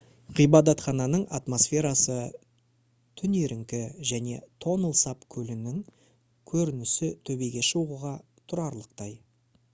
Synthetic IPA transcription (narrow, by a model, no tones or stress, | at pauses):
ʁʰijbɑd̪ɑt̪χɑnɑnəɴɑt̪mo̞sfʲe̞ɾɑsə | t̪ʰʏneɾʔɪŋkʲɪʒæne̞̰t̪ʰo̞nəlˠsɑpkʲʰɵlɪnɪŋ | kʲʰɵɾɪnɪsɪt̪ʰɵbe̞jɡʲe̞ʃuʁəʁɑ | t̪ʰʊɾɑɾlˠəq̚t̪ɑj